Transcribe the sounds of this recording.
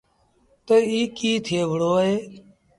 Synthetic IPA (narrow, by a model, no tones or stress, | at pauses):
t̪əiːkiːt̪ʰeːʋəɽoːɦeː